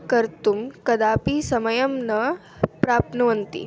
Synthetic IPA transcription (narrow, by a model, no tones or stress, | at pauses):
kɐɾt̪umkɐd̪aːpisɐmɐjɐmnɐ | pɾaːpnɐʋɐnt̪ḭ